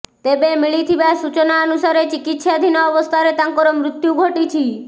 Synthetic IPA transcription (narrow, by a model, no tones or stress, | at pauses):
t̪ebemiɭit̪ʰibasut͡ʃɔnaənusaɾet͡ʃikit̪sad̪ʱinɔːbɔst̪ʰaɾet̪aŋkɔɾɔmɾut̪juɡʱoʈit͡ʃʰi